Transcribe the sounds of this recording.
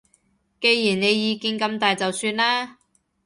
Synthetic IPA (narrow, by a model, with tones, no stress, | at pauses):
ke˧jːiː˨˩nne˨˧jjiː˨˧kiː˧nkɐ˧mt̪aː˨jt͡sɐ˨wsyː˧nlaː˥